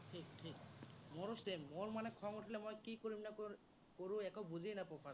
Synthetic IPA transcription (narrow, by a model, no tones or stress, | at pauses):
ʈʰikʈʰikmoɾosemːoɾmanekʰɔŋuʈʰilemɔjkikoɾimnako | koɾuɛkobuzʱijnapɔpʰa